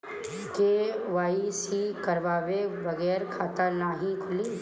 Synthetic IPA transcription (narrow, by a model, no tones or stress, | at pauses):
keːʋaːisikɐɾʋaːʋeʋɐɣɛːɾkʰaːt̪anaːɦĩkʰʊli